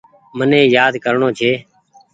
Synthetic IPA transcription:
mənẽːjaːd̪kəɾɳoːt͡ʃʰeː

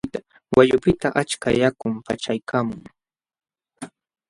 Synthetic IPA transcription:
t̪a | wʔaʎʊpɪt̪aʔat͡ʃkajakʊmpat͡ʃajkʰaːmʊŋ

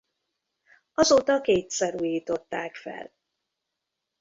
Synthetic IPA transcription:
ɒzoːt̪ɒkeːt̪sɛɾuːjiːt̪o̞t̪ːaːkfɛ̰l

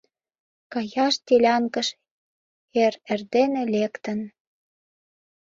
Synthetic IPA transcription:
kɑjɑʃt̪ilʲɑŋkə̆ʃ | eɾerd̪enelekt̪ə̆n

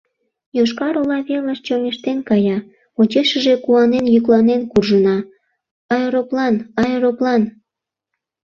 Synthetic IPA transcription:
joʃkɑɾolɑβeləʃt͡ɕomeʃt̪enkɑjɑ | ot͡ɕeʃəʒe̽kuɑnenjyklɑnenkurʒənɑ | ɑjɾoplɑnɑjɾoplɑn

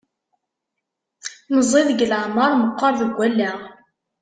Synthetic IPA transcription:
nəzˤeðɡələʕməɾˤməqːəɾˤðəɡʷːælːæ

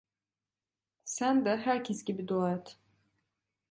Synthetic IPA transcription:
sænd̪aɦæɾcʲʰesɟʲibid̪olˠajat̪ʰ

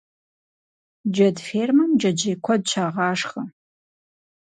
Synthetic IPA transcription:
d͡ʒɐdfeːrmɐmd͡ʒɐd͡ʒɐjkʷʰɔd̚ɕʰaːʁɑːʂχɐ

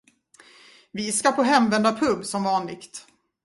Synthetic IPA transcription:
vɪskapʰɔɦɛmvɛnd̪apʰɵbːsɔmvɑːnlɪ̰ɡt̪

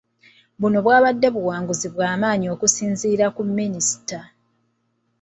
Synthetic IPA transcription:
βuno̞βwaːβadːe̞βuwaːŋɡuziβwaːmaːɲio̞kusiːnziːɾakumːinisi̥ta

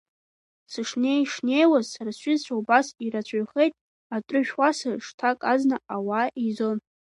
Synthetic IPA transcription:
sɨʂne̞jʂne̞jwazsaɾaɕʷɪzt͡ɕʷʰaubasiɾat͡ɕʷʰʼaɥχejtʼ | atʷʼʊʃᶣwasaʂtʰakʼaznaawaʔizon

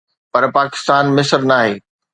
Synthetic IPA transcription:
pɐɾpaːkɪ̥st̪aːnmɪsəɾnaːɦeː

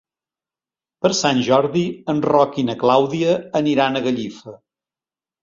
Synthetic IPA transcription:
pəɾsanʲʒɔɾðiənrɔkinəklawðiəːniɾanəɣəʎifə

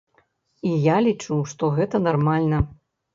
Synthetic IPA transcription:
ijalʲit͡ʂuwʂt̪ɔɣɛt̪ɐnarmalʲnɐ

